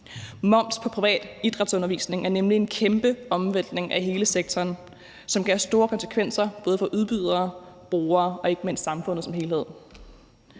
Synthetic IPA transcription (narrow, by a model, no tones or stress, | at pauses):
mɒ̽m̰̥spʰɒ̽pʰʁiʋɛ̰ːd̥id̥ʁɑ̈d̥sɔ̽nɐʋḭːsne̝ŋæɐnemlie̝nkʰemb̥əɒ̽mʋen̰d̥ne̝ŋʔæɦe̝ːləseɡ̥̚t͡sʰɒːn | sɒ̽mɡ̥kʰæɐsd̥o̝ːɐkʰɒ̽nsə̥kʰʋen̰sɐb̥ɔ̽ːð̞̩ˠfɒ̽ʔuðˠb̥yð̰ˠɐːb̥ʁo̝ːɐːɒ̽e̝ɡ̥əme̝n̰ssɑ̈mfɔ̽n̰ð̩ˠsɒmɦe̝ːlhe̝ð̞̰ˠ